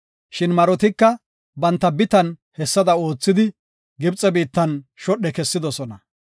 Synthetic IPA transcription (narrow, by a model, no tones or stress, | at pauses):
ʃɪnmɐɾɔt̪ɪkːɐ | bɐnt̪ːɐbɪt̪ɐnhɛsːɐd̪ɐo̞ːt͡sːɪd̪ɪ | ɡɪbt͡sʼːɛbiːt̪ːɐnʃɔɗɛkɛsːɪd̪ɔsɔnɐ